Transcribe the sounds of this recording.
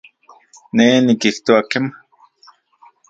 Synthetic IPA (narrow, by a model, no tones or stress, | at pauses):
neːnikiht̪oakema